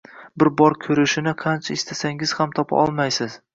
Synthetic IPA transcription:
bɪɾbɒɾkʲʰɵɾɪʃɪnɪqʰɑnt͡ʃʰaɪst̪ʰasaŋɪz̥hamt̪ʰɒpʰa̰ʔɒlˠmajsɪz̥

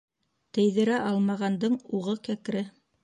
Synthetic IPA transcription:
t̪ɘ̆jðɘ̆ɾæʔɑlˠmɑʁɑnd̪ɤɴuʁɤkæk̆ɾɘ

